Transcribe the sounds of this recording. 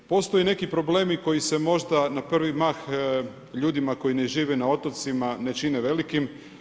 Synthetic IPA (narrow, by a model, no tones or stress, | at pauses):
po̞st̪o̞jene̞kipɾo̞ble̞ːmiko̞jise̞mo̞ʒd̪anapr̩ʋimax | ʎuːd̪imako̞jineʒiːʋenao̞t̪o̞t̪simane̞t͡ʃineʋe̞likim